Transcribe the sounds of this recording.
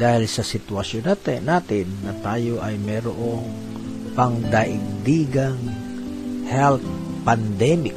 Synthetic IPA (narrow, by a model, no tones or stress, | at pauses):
d̪aːhɪlsɐsɪt̪wɐsjonaːt̪ɪnaːt̪ɪnːɐt̪aːjoʔɐjmɛːɾoʔoŋ | pɐŋd̪aʔɪɡ̚d̪iːɡaŋ | hɛlt̪̚ | pand̪ɛmɪk̚